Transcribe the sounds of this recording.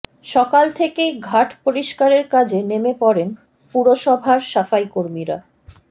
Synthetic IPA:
ʃɔkalt̪ʰekeɡʱaʈʰpoɾiʃkaɾeɾkad͡ʑʱenemepɔɾen | puɾoʃɔbʱaɾʃafajkoɾmiɾa̰

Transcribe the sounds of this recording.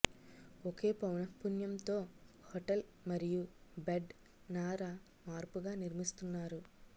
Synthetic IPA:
oke̞ːpɐwnɐpːunjɐmt̪o̞ː | hoʈɐlmɐɾijubeɖ | naːɾa | maːɾpuɡaːniɾmist̪unːaːɾu

